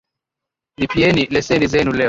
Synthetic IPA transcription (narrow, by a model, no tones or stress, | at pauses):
mipiɛnilɛsɛnizɛnulɛ